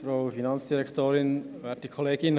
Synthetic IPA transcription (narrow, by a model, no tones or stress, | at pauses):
fɾaʊfinɑnt͡sd̥iɾɛktoːɾɪnʋɛːt̚d̥ikʰɔleːɡɪn